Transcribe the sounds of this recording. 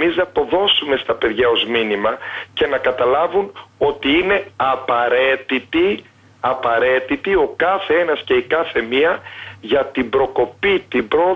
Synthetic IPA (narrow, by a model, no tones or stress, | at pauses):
miznɐpo̞ðo̞sume̞st̪ɐpe̞ðʝɐo̞zminimɐce̞nɐkɐt̪ɐlɐvuno̞t̪iine̞ɐpɐɾe̞t̪it̪i | ɐpɐɾe̞t̪it̪io̞kɐθe̞e̞nɐsce̞ikɐθe̞miɐʝɐt̪ibɾo̞ko̞pit̪ibɾo̞